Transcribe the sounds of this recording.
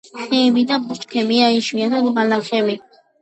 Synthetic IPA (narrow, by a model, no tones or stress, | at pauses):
χɛːmid̪abut͡ʃkʰɛmiaiʃiat̪ʰad̪balaχɛmi